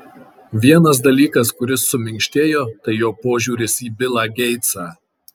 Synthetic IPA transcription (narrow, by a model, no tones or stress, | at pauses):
ʋʲiɛnɐs̬d̪ɐlʲiːkɐskʊɾʲɪsːʊmʲɪŋʲkʲʃʲt̪ʲeːjoːt̪ɐɪjoːpoːʒʲuːɾʲɪsiːbʲɪlˠɑːɡʲɛɪt̪sɑː